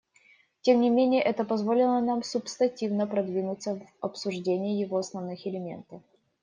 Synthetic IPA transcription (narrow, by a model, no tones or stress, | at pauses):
tʲemnʲɪmʲenʲɪjəʔɛt̪əpɐzvo̞lʲɪlˠənamsʊpst̪ɐnʲtʲivnəpɾɐd̪vʲinʊt̪səvɐpsʊʐdʲenʲɪjɪjɪvoɐsnɐvnɨxɪlʲɪmʲe̞̰nt̪əf